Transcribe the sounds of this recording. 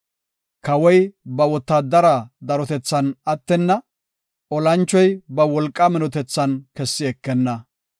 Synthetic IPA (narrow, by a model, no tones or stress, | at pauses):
kɐwɔjbɐwɔt̪ːad̪ɐɾɐd̪ɐɾɔt̪ɛt͡sːɐnɐt̪ːɛnːɐ | ʔɔlɐnt͡ʃːɔjbɐwɔlkʼːɐmɪnɔt̪ɛt͡sːɐnkɛsːɪɛkːɛnːɐ